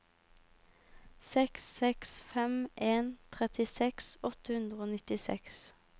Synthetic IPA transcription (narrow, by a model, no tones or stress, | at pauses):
sɛksɛksfɛmʔeːnt̪ʰʁɛt̪ɪsɛksɔt̪əʉnd̪ʁəoːnɪt̪ɪsɛ̰ks